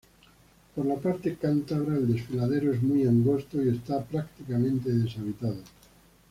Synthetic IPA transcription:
poɾlapaɾt̪ekant̪aβ̞ɾaeld̪e̞sfilað̞e̞ɾoezmujaŋɡo̞st̪oie̞st̪apɾakt̪ikamẽnt̪e̞ðe̞saβ̞it̪að̞o

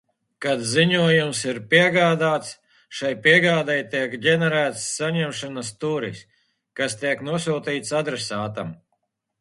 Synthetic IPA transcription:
kad̪ziɲuɔjumsiɾpiɛɡaːd̪aːt̪s | ʃajpiɛɡaːd̪ajt̪iɛkɟʲɛnɛɾæːt̪sːaɲɛmʃanast̪uːɾḭs | kast̪iɛknuɔsuːt̪iːt̪sad̪ɾɛsaːt̪a̰m

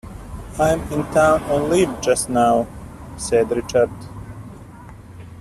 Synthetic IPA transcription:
ãɪ̃mɪ̃ntʰãʊ̃ñnlivd͡ʒʌstnaʊ | sɛdɾɪt͡ʃəɾd

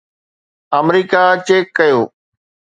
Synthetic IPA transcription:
əmɾiːkat͡ɕeːkːɐjoː

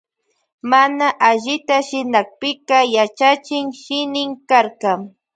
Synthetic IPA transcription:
manaʔaʎɪt̪aʃɪnak̚pɪkɑjat͡ʃat͡ʃɪŋʃɪnɪŋkaɾkɑŋ

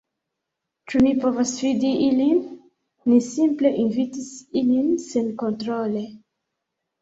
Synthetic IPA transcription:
t͡ʃumipovosfidiʔilinː | isimple̞ʔinvitisilinsenkontɾole

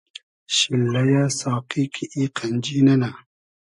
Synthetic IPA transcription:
ʃilːajasaːqikʰiʔiqʰand͡ʒinana

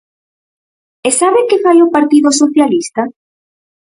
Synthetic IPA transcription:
esaβekefajopaɾt̪iðosoθjalist̪a

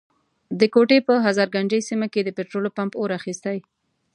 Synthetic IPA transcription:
d̪əkoʈepəɦazɑɾɡaɳd͡ʒəjsimaked̪əpeʈɾolopampoɾaxist̪aj

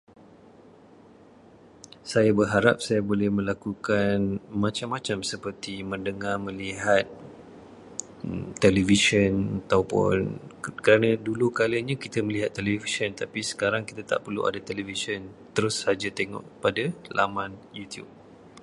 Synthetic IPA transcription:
sajabərɦaɾa̰p̚sajabolɛhmə̃lakukanmãt͡ʃamːãt͡ʃamsəpərt̪imə̃ndəŋarmə̃liɦat̪̚ | ə̰mtːɛlɛviʃənat̪awpʊ̰nkəɾanãdulukaləɲakit̪əmə̃liɦat̪ːɛlɛvisənt̪apisə̥kaɾaŋki̥t̪at̪a̰ʔpərlṵʔa̰dat̪ɛlevisənt̪əɾʊsad͡ʒat̪eŋɔ̰ʔpadala̰mãnjut̪jṵp̚

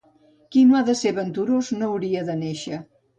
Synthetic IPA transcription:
kinoaðəseβənt̪uɾoznowɾiəðəneʃə

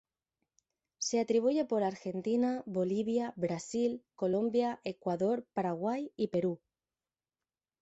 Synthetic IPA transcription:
se̞at̪ɾiβ̞uʝe̞po̞ɾaɾxe̞nt̪inaβo̞liβ̞jaβɾasilko̞lo̞mbjaʔe̞kwaðo̞ɾpaɾaɣ̞wajipe̞ɾu

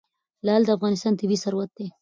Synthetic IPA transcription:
lɑld̪əafɣɑnɪst̪ɑnt̪ɪbisaɾwat̪̚d̪e

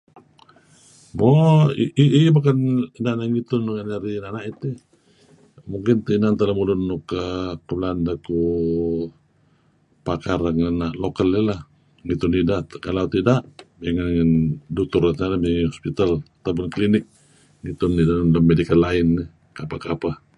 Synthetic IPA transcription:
moiiʔibakaninanaŋit̪ʊnuŋanaɾinanaʔit̪e | muŋkɪnt̪inant̪aləmulʊnːukəkulandaku | pakarəŋanaʔlokalelah | ŋit̪ʊnidakalaut̪idaʔbiŋanŋəndut̪ʊrat̪nalabiŋəhɔspit̪alat̪awpʊnklinɪk̚ | ŋit̪ʊnːidanləmːedikalaɪnːi | kapakapa

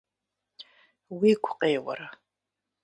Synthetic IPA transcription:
wiɡʷʰqʼeːwɐ̰ɾa

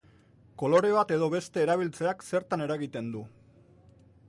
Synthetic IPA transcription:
ko̞lo̞ɾe̞βat̪e̞ð̞o̞βe̞st̪e̞ːɾaβ̞ilt͡se̞akse̞ɾt̪ane̞ɾaɣit̪e̞nd̪u

